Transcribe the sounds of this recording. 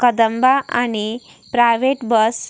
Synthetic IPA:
kəd̪əmbaʔani | pɾajʋeʈbəs

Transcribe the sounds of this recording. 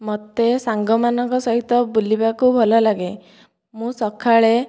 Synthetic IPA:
mɔt̪esaŋɡɔmanɔŋkɔsɔɦit̪ɔbulibakubʱɔlɔlaɡe | mũsɔkʰaɭe

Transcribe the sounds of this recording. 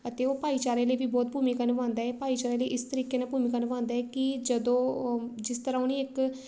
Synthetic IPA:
ət̪eːoːpaːiːt͡ʃaːɾẽːləiːʋiːbɔːt̪̚bʱuːmiːkənʋãːnd̪aːɦɛːpaːiːt͡ʃaːɾẽːləiʔɪst̪əɾiːkeːnãːbuːmiːkənʋãːnd̪aːɛːkɪd͡ʒəd̪õːd͡ʒɪst̪əɾãːʊniːɪk

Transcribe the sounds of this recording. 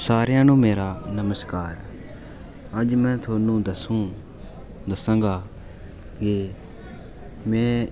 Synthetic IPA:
saːɾjãːnũːmeːɾaːnəməskaːɾ | əd͡ʒmɛ̃ːt̪ʰoːnũːd̪əsũː | d̪əsãːɡaː | ɡeː | mɛ̃ː

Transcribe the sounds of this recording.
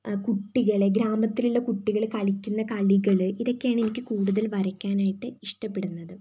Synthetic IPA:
kuʈːiɣɐɭɡɾaːmɐt̪ːiluɭːɐkuʈːiɣɐɭkɐɭikʲːunːɐkɐɭiɣɐɭɨiðo̞kʲːejaːɳɨe̞nikʲːɨkuːɽuðɐlʋɐɾɐkʲːaːnaːjiʈːɨiʂʈɐpːe̞ɽunːɐðɨ

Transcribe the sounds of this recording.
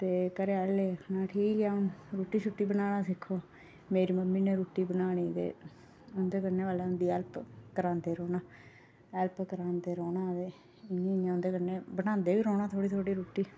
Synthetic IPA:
t̪eːkəɾeaːlleːkʰnaːʈʰiːkãːũɾoːʈːiːt͡ʃʰʊʈːiːbənaːnaːsɪkʰːoː | meːɾiːməmːĩːneːɾoːʈːiːbənaːɽ̃iːt̪ḛː | ʊnd̪eːkəneːʋaːleːʊnd̪iːɛːlpkəɾãːnd̪eːɾoːnaː | ɛlpkəɾãːnd̪eːɾoːnãːʋeː | ɪnĩːɪãːʊ̃nd̪eːkəneːbənãːnd̪eːʋiːɾoːnaːt̪ʰoːɽiːt̪ʰoːɽiːɾoːʈːiː

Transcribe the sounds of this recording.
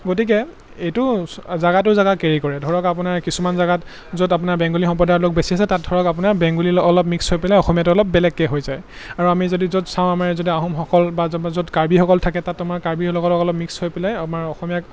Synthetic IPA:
ɡotik̬ɛ | ejtʊzaɡatʊzaɡakeɹikɔɹɛdʱɔɹɔkap̬ʊnaɹkisumanzaɡat | zodap̬ʊnaɹbɛ̃ŋɡulixɔmp̬ɔdaɹlok̚besiasɛtat̚dʱɔɹɔkapʊnaɹbɛŋɡuliɔlɔp̚mikshojpɛlɛɔxɔmijatʊɔlɔp̚bɛlɛkːɛɦojzaj | aɹuamizodizodsãʊ̃amaɹzodiaɦɔmxɔkɔlbazzodkaɹbixɔkɔltʰakɛtatːamaɹkaɹbilɔɡɔlɔkɔlɔp̚mikshojpɛlɛjapnaɹɔxɔmijak

